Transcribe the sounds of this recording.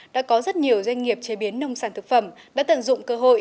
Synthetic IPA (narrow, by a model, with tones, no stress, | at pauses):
ɗa̰ː˧˥kɔ˨˦zə˦˥t̚ɲi˨˩əwzwa˧jŋ̟ŋi˨˩əp̚t͡ɕe˨˦ɓi˨˦ənːə˧wŋ͡msaː˧˩nt̪ʰɨ˨˩k̚fə˧˩m | ɗa̰ː˧˥t̪ə̰˧˨nzʊ̰˧˨ŋ͡mkəː˧ɦo̰˧˨j